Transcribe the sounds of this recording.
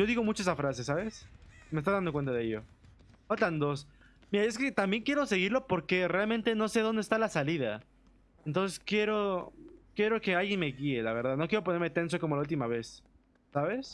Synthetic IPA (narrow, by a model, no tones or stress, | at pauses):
ʝo̞ðiɣo̞mut͡ʃoesafɾase̞saβe̞smest̪anðand̪okent̪aðeeʝjo̞̰ | ot̪and̪o̞s | miɾae̞ske̞t̪ambje̞ŋkje̞ɾo̞se̞ɣiɾlo̞po̞ɾke̞realmẽnt̪e̞no̞seð̞o̞nd̪est̪alasaliða | ent̪o̞nseskje̞ɾo̞kje̞ɾo̞ke̞alɣjenme̞ɣie̞laβe̞ɾðaðno̞kjeɾo̞p̬oneɾme̞t̪e̞ns̬o̞komolault̪imaβe̞sː | aβe̞s